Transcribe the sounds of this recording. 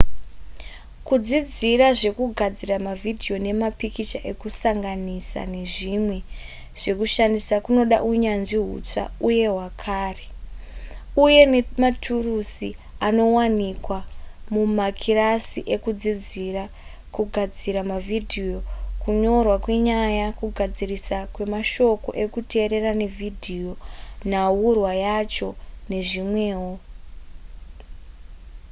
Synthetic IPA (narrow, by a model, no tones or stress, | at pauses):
kud͡zid͡ziraʐe̞kuɡʱad͡ziramavidʱio̞ne̞mapikit͡ʃaʔe̞kusaŋɡanisa̰ne̞ʐimwe̞ | ʐ̥e̞kuʃandisakuno̞ɗa̰ʔuɲanʐiɦṵt͡ʂa̰uje̞ɦwakʰaːre | uje̞nematʰurusi | ano̞wanikwamumakʰiɾasḭʔe̞kud͡zid͡zira | kuɡʱad͡ziɾamavʱidʱijo̞kuɲo̞rwakwe̞ɲajakuɡʱad͡zirisakwe̞maʃo̞ko̞̰ʔe̞kute̞ːɾe̞rane̞vʱidʱijonawurwajat͡ʃo̞ne̞ʐimwe̞ːɦo